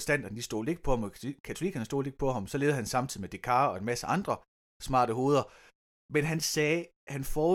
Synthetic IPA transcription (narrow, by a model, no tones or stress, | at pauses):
sd̥æn̰d̥ɐnd̥isd̥o̝̰ːle̝ɡ̥ə̥pʰɒ̽ɑmɒkʰæt͡sʰo̝likʰænsd̥o̝ːle̝ɡ̥̚pʰɒ̽ɦɑ̈msɒ̽le̝ːðˠhænsɑ̈mt͡sʰið̰ˠimed̥e̝kʰɑ̈ːɒ̽e̝nmæsəʔɑ̈nd̥ʁɐ | smɑ̰̈ːɾ̥əɦo̝ːðˠɐ | menɦænsɛː | hænfɒː